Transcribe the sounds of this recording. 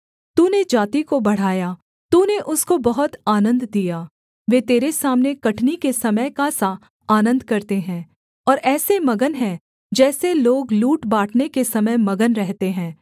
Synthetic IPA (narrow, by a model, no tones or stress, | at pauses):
t̪uːned͡ʒaːt̪ikobɐɽ̤aːja | t̪uːneʔʊskobɐɦʊt̪aːnə̃nd̪d̪ijaː | ʋeːt̪eːɾesaːmnekɐʈʰnikesɐməjkasa | aːnə̃nd̪kɐɾt̪eɦɛ̃ː | ɔːɾɛːsemɐɡənɦɛ̃ | d͡ʒɛːseloːɡluːʈbaːʈʰnekesɐməjmɐɡənɾɛɦt̪eɦɛ̃ː